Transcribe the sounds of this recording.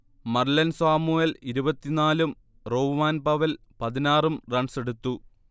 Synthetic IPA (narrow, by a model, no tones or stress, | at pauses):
mɐrlɐnsaːmuːjɐliɾubɐt̪ːinaːlum | ro̞ːmaːnpɐʋɐl | pɐðinaːrumrɐɳseɽut̪ːu